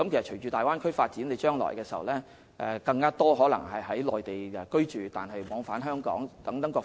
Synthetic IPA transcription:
kɐ˨˥mke˨˩sɐ˨t͡ʃʰɵ˨˩jt͡ʃyː˧t̪aː˨˩waː˥nkʰɵ˥faː˧t̚t͡siː˨˥nle˨˧t͡ʃœː˥ŋlɔ̰ː˨˩jkɛː˧sḭ˨˩˨wlɛː˥ | ʔɛ̰ː˨kɐ˧ŋkaː˥t̪ɔː˥ɦɔː˨˥lɐ˨˩ŋɦɐ˨jɦɐ˨˥jlɔː˨˩jt̪e˨˩jɛ˨kɵ˥ɥt͡ʃyː˨t̪a̰ː˨nɦɐ˨jmɔː˨˧ŋfaː˨˥nɦœː˥ŋkɔ̰ː˨˥ŋt̪ɐ˨˥ŋt̪ɐ˨˥ŋkʷɔː˧

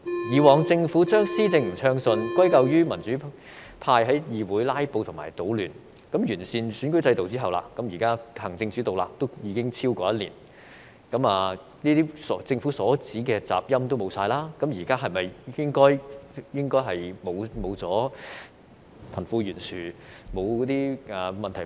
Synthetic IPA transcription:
jiː˨wɔː˨˩ŋt͡sɪ˧ŋfuː˨˥t͡ʃœː˥ŋsiː˥t͡sɪ˧ŋm̩˨˩t͡sʰœː˥ŋsɵ˧nkʷɐ˥jkɐ˧wjyː˥mɐ˨˩nt͡ʃyː˨˥ | pʰaː˧jɦɐ˨˥jjiː˨wuː˨˥jlaː˥jpo˧wt̪ʰʊ˨˩maː˨˩jt̪o˨˥wlyː˨˩n | kɐ˨˥mjyː˨˩nsiː˨˧nsyː˨˥nkɵ˥ɥt͡sɐ˧jt̪o˨wt͡siː˥ɦɐ˨wla̰ː˧kɐ˨˥mjiː˨˩kaː˥hɐ˨˩ŋt͡sɪ˧ŋt͡syː˨˥t̪o˨wla̰ː˨k̚t̪o˥wjiː˨˧kɪ˥ŋt͡sʰiː˥wkɔː˧jɐ˥t̚lḭː˨˩n | kɐ˨˥maː˨ | niː˥t̪iː˥sɔ˨˧t͡sɪ˧ŋfuː˨˥sɔː˨˥t͡siː˨˥kɛː˧t͡sa̰ː˨p̚jɐ˥mt̪o˥wmo˨˧wsaː˧jlaː˥kɐ˨˥mjiː˨˩kaː˥ɦɐ˨jmɐ˨jjɪ˥ŋkɔː˥jjɪ˥ŋkɔː˥jɦɐ˨jmo˨˧wmo˨˧wt͡sɔː˨˥ | fʰɐ˨˩nfuː˧jyː˨˩nsyː˨˩mo˨˧wkɔ˨˥t̪iː˥ʔɐː˨˩mɐ˨nt̪ʰɐ˨˩

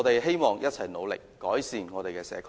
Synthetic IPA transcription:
t̪e˨jɦe˥jmɔː˨ŋjɐ˥t̚t͡sʰɐ˨˩jno˨˧wlɪ̰˨kːɔː˨˥jsiː˨nŋɔː˨˧ɾe˨jkɛː˧sɛ̰ː˨˧kʰ

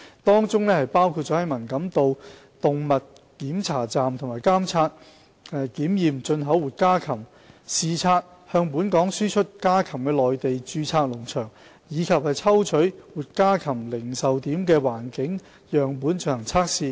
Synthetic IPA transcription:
t̪ɔː˥ŋt͡sʊ˥ŋnɛː˥hɐ˨jpaː˥wkʰu˧t̚t͡ʃɔː˨˥hɐ˨˥jmɐ˨˩nkɐ˨˧˥mt̪o˨˧w | t̪ʊ˨ŋmɐ˨t̚ | kiː˨˥mt͡sʰaː˨˩t͡saː˨mt̪ʰʊ˨ŋmaː˨˩jkaː˥mt͡sʰaː˧t̚ | ɛ˨kiː˨˥mjiː˨mt͡ʃɵ˧nɦɐ˨˥wwuː˨˩t̚kaː˥kʰɐ˨˩m | siː˨˧t͡sʰaː˧t̚ | hœː˧ŋpuː˨˥nkɔː˨˥ŋsyː˥t͡ʃʰɵ˥t̚kaː˥kʰɐ˨˩mkɛː˧lɔː˨jt̪e˨jt͡ʃyː˧t͡sʰaː˧t̚lʊ˨˩ŋt͡ʃʰœː˨˩ŋ | jiː˨˧kʰɐ˨p̚hɐ˨jt͡sʰɐ˥wt͡ʃʰɵ˨˥ɥwuː˨t̚kaː˥kʰɐ˨˩mlɪ˨˩ŋsɐ˨wt̪iː˨˥mkɛː˧waː˨˩nkɪ˨˥ŋ | jœː˨ŋp̬uː˨˥nt͡ʃɵ˧˥nhɐ˨˩t͡sʰaː˥k̚siː˨˧

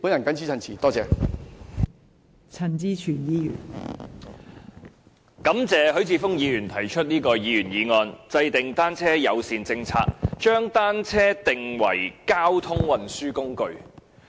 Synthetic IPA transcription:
puː˨˥njɐ˨˩nkɐ˨˥nt͡sʰiː˥t͡sʰɐ˨nt͡sʰiː˨˩t̪ɔː˥t͡sɛː˨˧ | t͡sʰɐ˨˩nt͡siː˧t͡ʃʰyː˨˩njiː˧jyː˨˩n | kɐ˨˥mt͡sɛː˨˧ɦɵ˨˥ɥt͡sʰiː˧fʊ˥ŋjiː˨˧jyː˨˩nt̪ʰɐ˨˩jt͡ʃʰɵ˥t̚niː˥kɔː˧jiː˨˧jyː˨˩njiː˨˧ŋɔː˧nt͡sɐ˧jt̪ɪ˨ŋt̪aː˥nt͡sʰɛː˥jɐ˨˧wsiː˨˧nt͡sɪ˧ŋt͡sʰa̰ː˧˥k̚t͡ʃœː˥ŋt̪aː˥nt͡sʰɛː˥t̪ɪ˨ŋwɐ̰˨˩jkaː˥wt̪ʰʊ˥ŋwɐ˨nsyː˥kʊ˥ŋkɵ˨ɥ

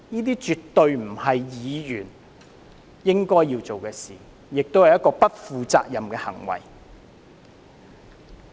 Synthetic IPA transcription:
niː˥t̪iː˥t͡ʃyː˨t̪ːɵ˨˧ɥm̩˨˩hɐ˨jjiː˨˧jyː˨˩n | jɪ˥ŋkɔː˥jːiː˧wt͡so˨wkɛː˧sḭː˨˩ | jɪ˨k̚t̪o˥whɐ˨jɐ˥tkɔː˧pɐ˥t̚fuː˧t͡sa̰ː˧k̚jɐ˨mkɛː˧hɐ̰˨˩ŋwɐ̰˨˩j

